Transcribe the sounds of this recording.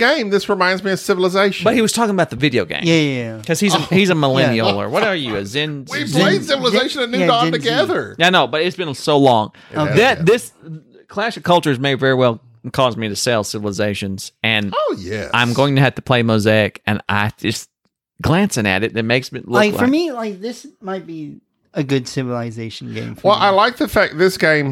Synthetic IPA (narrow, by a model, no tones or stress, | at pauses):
ɡ̥ẽɪ̃mðɪsɹɨmãɪ̃ndzmiɨsɪvl̩ˠəzeɪʃb̥ʌt̚hiwʌz̥tʰɔkɪ̃ŋəbaʊt̪̚ðɨvɪɾioʊɡḛ̃ɪækʰʌz̥izəhizəməlɛ̃niolˠə̰˞wʌɾə˞jɨɨzɪ̃niv̥ʰẽɪ̃nsɪvl̩ˠəzeɪʃɨ̃nɨ̃nɪ̃ɡɑtɨɡɛðə˞aɪnoʊbʌɾɨtsb̥ɨ̃nsoʊlɔ̃ŋ | ðɨt̪̚ðɪs | kʰl̥æʃɨkʰʌlˠt͡ʃə˞zmeɪvɛɹiwɛlˠ | kʰɔzmiɾɨseɪlˠsɪvl̩ˠəzeɪʃɨ̃nz̥ɨ̃noʊjæ̰ʔãɪ̃mɡoʊɪ̃ŋtɨɨv̥tʰəpʰl̥eɪmoʊzeɪɨkɨ̰̃na̰ɪd͡ʒʌs | ɡ̥læ̃nsɪ̃ŋɨ̰ɾɨt̚ɨt̚meɪksmɨtlʊaɪklaə˞milaɪk̚ðɪsmaɪt̚b̥i | ɨɡʊdsɪvl̩ˠɨzeɪʃn̩ɡḛ̃ɪ̃mfwɛlˠaɪlaɪk̚ðɨfæk̚ðɪsɡ̥ẽɪ̃m